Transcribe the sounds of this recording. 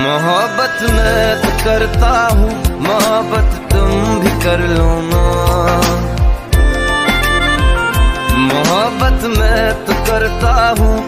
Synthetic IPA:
mʊɦəbət̪mẽt̪okɐɾt̪aɦũːmʊɦəbət̪ːʊmbʱikɐɾloːnaː | mʊɦəbət̪mẽt̪okɐɾt̪aɦũː

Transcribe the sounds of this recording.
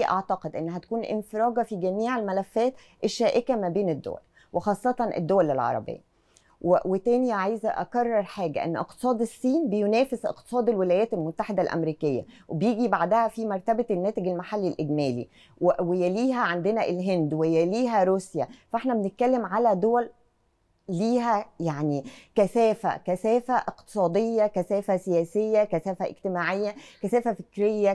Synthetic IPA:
ʔɑʕt̪ɑqed̪ʔenːɦæt̪æ̥kuːnʔɪ̰nfeɾˤɑːɡɑfiɡæmiːʕelmælæfːæːt̪ | ʔeʃːæːʔekæmæbeːned̪ːo̰wæ̰l | wexɑːsˤːɑt̪ˤɑnʔḛd̪ːowælelʕɑ̰ɾˤɑ̰bḛjːæ | wewet̪æːniʕajzæʔɑkɑrˤːɑɾˤħaːɡæ̰ʔḛnːʔḛq̚t̪e̥sˤɑːd̪esˤːiːnbejonæːfesʔḛqt̪e̥sˤɑːd̪elwelæːjæːt̪elmot̪ːaħed̪ælʔæ̰mɾiːkejːæ̰webejiːɡibaʕd̪æhæfimɑɾˤt̪æbænːæːt̪eɡelmaħalːilʔeɡmæːlḭ | wwejæliːɦæʕand̪enæʔelɦend̪wejæliːɦæɾuːsjæfæʔeħnæbenet̪̚kælːemʕalæd̪owælː | iːɦæjaʕnikæsæːfæ̰kæsæːfæʔeqt̪ɨ̥sˤɑːd̪ejːɑkæsæːfæsejæːsejːækæsæːfæʔḛɡ̚t̪emaːʕejːækæsæːfæfekɾejːæ

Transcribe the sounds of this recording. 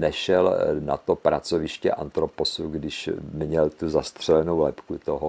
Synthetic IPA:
nɛʃɛlna̰t̪opɾat͡sovɪʃcɛ̰ʔant̪ɾoposuɡdɪʃmɲɛlt̪uzast̪r̝̥ɛlɛnowlɛpkut̪oɦo

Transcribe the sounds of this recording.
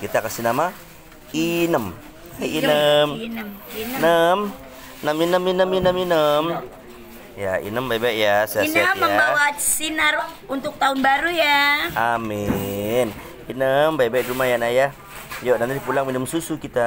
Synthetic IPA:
kit̪akasinama | inəm | ainəmnnəm | nəminəminəminəminəm | ja̰ḭnəmbajbaiʔjasiasnəmjːəabawasinər | unt̪ʊk̚t̪aʊnbaɾujaamin | inəmbajbaj̚dumajanaja | joʔdant̪̬idipulaŋminəmsusukit̪a

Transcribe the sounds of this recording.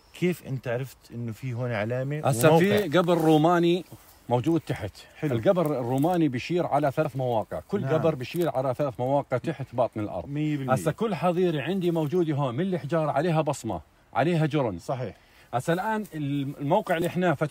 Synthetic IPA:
kʰeːfʔɪ̰nt̪aʕɾˤɑft̪ʔɪnːufiɦoːnʕalaːmiʔasːafiɡabɪɾɾuːmaːni | moːd͡ʒuːd̪̚t̪aħɪt̪ɪlɡabɪɾɪrːuːmaːnibɪjʃiːɾʕalaθaθmawɑːqɪ̰ʕkʊlːɡabɨɾˤbɪjʃiːɾʕalaθalaːθmawɑːqɪʕt̪aħɪt̪bɑːt̪ˤnɪlʔɑ̰ɾˤðmːbʔasːakʊlːħɑðˤiːɾiʕɪnd̪imowd͡ʒuːd̪iɦoːnmɪnlːiħd͡ʒɑːɾˤɑʕaleːɦabɑsˤmɑ̰ | ʕa̰leːɦad͡ʒʊɾˤnsˤɑħiːħ | ʔasːalʔaːnɪllmowqɪʕlːiʔɪħnafa

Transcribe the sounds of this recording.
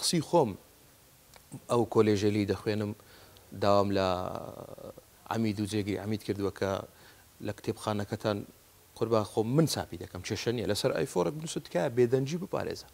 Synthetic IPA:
xsiːxoːm | ʔɐwkʰoːleʒɐlejd̪ɐxwenɨmd̪aːwamlɐ̰ | ʕa̰miːd̪uːd͡ʒeɡɨɾḭʕa̰miːd̪kʰɨɾd̪uwɐkʰɐ̰ | lɐkt̪ʰeːbxaːnɐkɐt̪ʰaːn | qʰʊɾbaːxoːmːɨnt͡sa̰ːpiːd̪ɐkʰɐmt͡ʃʰeːʃɐnijɐ̰lɐsɐɾʔa̰ːjfoɾek̚bɨnusɨt̪kʰaːjɐbeːd̪ɐnd͡ʒiːbɨpʰa̰ɾḛːzɐ̥

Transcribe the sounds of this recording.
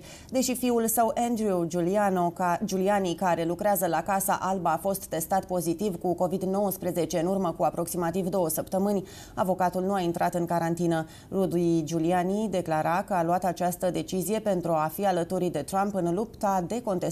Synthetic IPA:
d̪e̞ʃifiulsəwʔend̪ɾionod͡ʒulianikaɾe̞lukɾeazəlakasa̰ʔalbaːfo̞st̪ːe̞st̪at̪̚po̞zit̪ivkuko̞vid̪no̞wəspɾeze̞t͡ʃe̞ɨnurməkuapɾo̞ksimat̪ivd̪o̞wəsəpt̪əmɨnʲ | avo̞kat̪ulnuaint̪ɾʔat̪ɨnkaɾant̪inə | rud̪id͡ʒulianid̪e̞klaɾakəaluat̪at͡ʃast̪əd̪e̞t͡ʃizije̞pe̞nt̪ɾuafialət̪uɾid̪e̞t̪ɾampɨnlupt̪ad̪e̞ko̞nt̪e

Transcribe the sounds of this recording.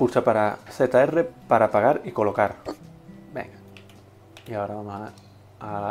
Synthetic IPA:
puɾt͡ʃapaɾaθe̞t̪ae̞re̞paɾapaɣaɾiko̞lo̞kaɾ | bḛŋɡa | iaoɾaβamosa | aa

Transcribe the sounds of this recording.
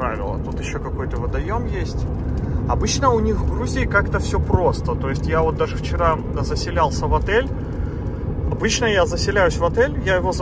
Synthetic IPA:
ɾa̰vʲɪ̰lˠə̰t̪ut̪jɪɕːokɐko̞jt̪əvəd̪ɐjo̞mjesʲtʲ | ɐbɨt͡ɕnəʊnʲixvɡɾuzʲɪɪkakt̪əfsʲɵpɾo̞st̪ət̪o̞jɪsʲtʲjavo̞t̪̚d̪aʐɨft͡ɕɪɾa | zəsʲɪlʲalˠsʲəvɐt̪ɛlʲ | ɐbɨt͡ɕnəjazəsʲɪlʲæjʉsʲvɐt̪ɛlʲjajɪvo̞zə

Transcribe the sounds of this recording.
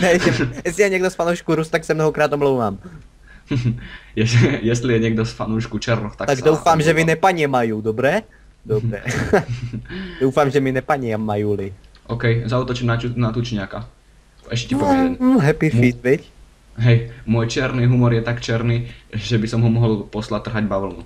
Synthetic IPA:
ɦɛjjɛsijaɲɛɡd̪ɔsfanuwʃkuɾust̪aksɛmnɔɦɔkɾaːt̪ɔmlɔʊʋaːm | jɛsjɛst̪lijɛɲɛɡ̚d̪ɔsfanuːʃkut͡ʃɛɾnuxt̪akt̪asɡd̪ɔwfamʒɛminɛpaɲɛmajuːd̪ɔbɾɛː | d̪ɔbɾɛ̰ː | d̪ɔʊfaːmʒɛminɛpaɲɪɛmajuːli | ʔɔkɛjzauːt̪ɔt͡ʃimnanat̪ut͡ʃɲɪaka | ɛʃcɛcipɔɦɛpifit̪ʋic | ɦɛjmʊɔːjt͡ʃɛɾniːɦumɔɾjɛt̪akt͡ʃɛɾniːʒɛbisɔmɦɔmɔɦɔlpɔslat̪ːr̩ɦaɟbaʋl̩nu

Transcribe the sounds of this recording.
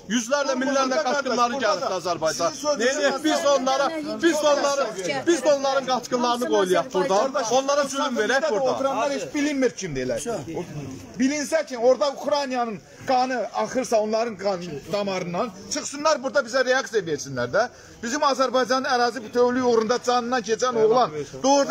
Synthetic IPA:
jyzlæɾlæminlːæɾlæɡɑt͡ʃkɯnlˠɑɾnɯæɾd̪iɑzæɾbɑjd͡ʒɑneliebizonlˠɑɾɑbizonlːˠɑɾɯb̥izonlˠɑɾɯnɡɑt͡ʃkɯnlˠɑɾɯnɯɡo̞jlˠijɑχbuɾd̪ɑonlˠɑɾɑsyynveɾæuot̪ʰɾɑnɑɾhet͡ʃbilinmiɾt͡ʃʰimd̪elæ̰ɾ | bilinsæt͡ʃʰino̞ɾd̪ɑuxɾanijɑnɯn | ɡ̥ɑnɯɑχɯɾsɑo̞nlˠɑɾɯnɡnd̪ɑmɑɾɯnːɑn | t͡ʃʰɯχsɯnːˠɑɾbuɾd̪ɑbizæɾeɑksijɑveɾsinlæɾd̪æ | b̥izimɑzæɾbɑjd͡ʒɑnɯnæɾɑːzibt̪ʰøwlyjuɣɾund̪ɑd͡ʒɑnɯnːɑncʰet͡ʃʰænoʁlˠɑnd̪oɾ

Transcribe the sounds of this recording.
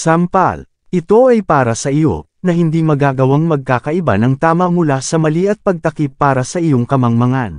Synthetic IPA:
sampa̰l | ʔɪt̪o̞ɐjpaːɾɐsɐʔɪjo̞̰ | nɐhɪnd̪imɐɡaːɡɐwaŋmɐɡ̚kaːkɐʔɪba̰nɐŋt̪aːmɐmʊlasɐmɐliʔɐt̪̚pɐɡ̚t̪ɐkipːaːɾɐsɐʔɪjo̞ŋkɐmɐŋmɐŋan

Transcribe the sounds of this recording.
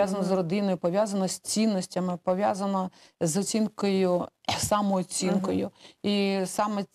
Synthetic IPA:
jazɐnɔzrɔd̪ɪnɔjʊpɔʋʲjazɐnɔsʲt͡sʲinːɔsʲtʲɐmɪpɔʋʲjazɐnɔ | zɔt͡sʲinkɔjʊsamɔːt͡sʲinkɔjʊisɑmɛ

